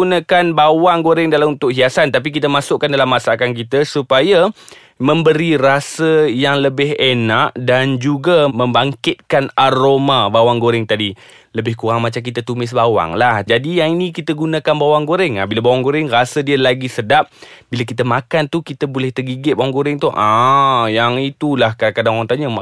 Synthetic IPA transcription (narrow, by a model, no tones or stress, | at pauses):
unə̃kanbawaŋɡoɾɪŋdalamunt̪ʊk̚ɦiasant̪ap̬ik̬it̪əmasʊʔkandalamːasakank̬it̪əsupaja | mə̃mbəɾirasəjaŋləbɪɦenaʔdand͡ʒuɡamə̃mbaŋkɪt̪̚kanaɾomabawaŋɡoɾɪŋt̪adi | ləbɪhkuɾaŋmat͡ʃamk̬it̪at̪umɪs̬bawa̰ŋlahd͡ʒadijaŋinĩkit̪əɡunãkanbawaŋɡoɾɪŋahbilabawaŋɡoɾɪŋrasədiəlaɡisədap̚bilak̬it̪əmakant̪ukit̪əbulɛht̪ərɡiɡɪt̪̚bawaŋɡoɾɪŋt̪uʔajaŋit̪ulahkakadaŋoɾaŋt̪aɲə